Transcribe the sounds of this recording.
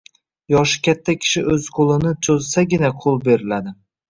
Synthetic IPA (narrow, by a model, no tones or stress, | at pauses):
jɒʃɪ̥kʲʰat̪ʰːakʲʰɪ̥ʃɪʔɵz̥qʰolˠɪnɪt͡ʃʰozsaɡʲɪnaqʰolˠbe̞ɾɪlad̪ɪ